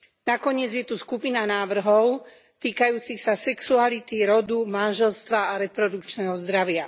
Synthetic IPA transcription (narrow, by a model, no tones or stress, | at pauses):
nakɔɲɪɛd͡zjɛt̪uskupinanaːʋr̩ɦɔʊ | t̪iːkajuːt͡sixsasɛksualit̪iɾɔd̪umanʒɛlst̪ʋaːɾɛpɾɔd̪ukt͡ʃnɛɦɔzd̪ɾaʋɪa